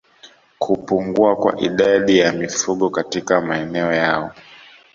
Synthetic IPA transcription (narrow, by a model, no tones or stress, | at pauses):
kʰupuŋɡuakwa̰ʔḭɗaɗijamifuɠɔkatikamaɛnɛɔjaɔ